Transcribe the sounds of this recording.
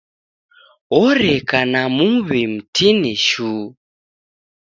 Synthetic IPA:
ɔɾɛkanamuβim̩tʰiniʃu

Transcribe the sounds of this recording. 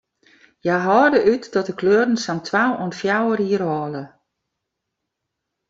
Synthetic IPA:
jaɦɔːdəʔytdɔtəkʰløːrn̩samtʰwawɔnfjawərhiərhɔːlə

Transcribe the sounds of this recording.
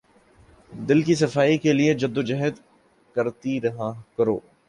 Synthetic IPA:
d̪ɪlkis̬ɐfaːikelied͡ʒɐd̪ːod͡ʒɐɦɛd̪ | kɐɾt̪iɾɐɦakɐɾo̰ː

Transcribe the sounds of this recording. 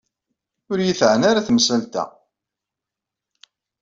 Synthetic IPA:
ʊɾjiθʕnaɾaθmsəlt̪æ̰

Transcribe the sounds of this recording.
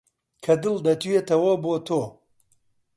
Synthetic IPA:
kʰɐd̪ɨld̪ɐt̪ujet̪ʰɐwɐbot̪ʰo

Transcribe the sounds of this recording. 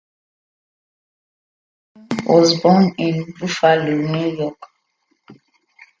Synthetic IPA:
wɔzbɔnĩnbufalunujɔk

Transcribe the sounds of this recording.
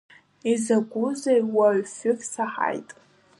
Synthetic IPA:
izaɡʷʊzejwaɥfʏfsaħa̰jtʼ

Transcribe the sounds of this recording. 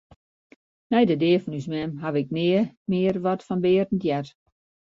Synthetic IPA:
nɛjdədɪːəfɔnysmɛmɦaʋɪk̚nɪəmɪərʋɔtfɔnbɪərtn̩tjɛt

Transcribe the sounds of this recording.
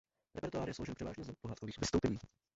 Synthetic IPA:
ɾɛ̰pɛɾt̪uaːɾɪjɛslowʒɛlpr̥ɛva̰ːʒɲɛzapoɦaːt̪̚koviːxvɪst̪owpɛɲiː

